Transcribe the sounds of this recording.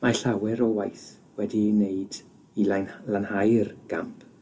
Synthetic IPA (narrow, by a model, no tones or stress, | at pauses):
maɬawɛɾɔwajθ | wɛdineɨd | ilalanhajrɡ̥a̰mpʰ